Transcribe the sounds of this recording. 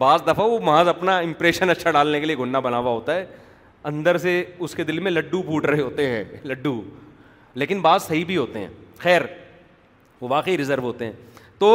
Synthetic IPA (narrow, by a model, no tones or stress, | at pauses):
baːzd̪ɐfaʋomɐaːzɐpnaɪ̃mpɾeːʃənɐtːʃʰaɖaːlnekelieɡʱʊnːabɐnaːʋaɦoːt̪aɦɛː | ɐ̃nd̪əɾseʊsked̪ɪlmẽlɐɖːubʱuːʈɾɐɦeɦoːt̪eɦɛ̃ːlɐɖːu | leːkɪnbaːzsɐɦibʱiɦoːt̪eɦɛ̰̃ːxɛːɾ | ʋoʋaːqəiɾɪzəɾʋɦoːt̪eɦɛ̃ːt̪oː